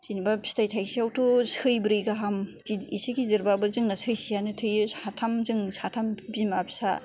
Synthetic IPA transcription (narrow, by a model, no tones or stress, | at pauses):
sinibapʰi̥stajtʰajsiawtʰɯsɯjbɾɯjɡaɦam | iisikidiɾbabɯzɯŋnasʰɯjsijanɯtʰɯjɯsatʰamzɯŋsatʰambimabʰi̥sa